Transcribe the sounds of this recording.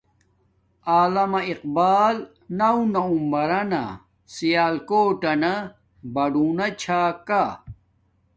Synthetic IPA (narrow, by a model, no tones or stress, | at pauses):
aːlɐmɐiq̚baːl | nɐwnɐumbɐɾɐnɐ̰ | sijaːlkoːʈɐnɐ | bɐɖunɐt͡ɕʰaːka